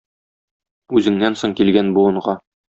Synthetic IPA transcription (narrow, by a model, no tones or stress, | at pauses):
ʉzɘ̆ŋnænsoɴkilɡænbuɤ̆ɴɢɑ